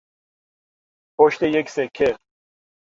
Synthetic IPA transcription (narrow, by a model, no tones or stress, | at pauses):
pʰoʃt̪ejeksekʰːe